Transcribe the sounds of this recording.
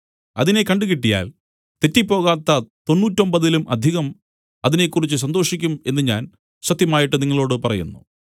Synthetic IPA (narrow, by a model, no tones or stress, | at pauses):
ɐ̰ðine̞kɐɳɖɨɣiʈːija̰ːl | t̪etːipːo̞ːɣaːt̪ːɐt̪o̞nːuːtːo̞mbɐðilumʔɐ̰d̪ʱiɣɐm | ɐðine̞kːurit͡ɕːɨs̬ɐnd̪o̞ːʂikʲːume̞nːɨɲaːn | ɕɐt̪ːjɐmaːjiʈːɨniŋːɐɭo̞ːɽɨpɐrɐjṵnːṵ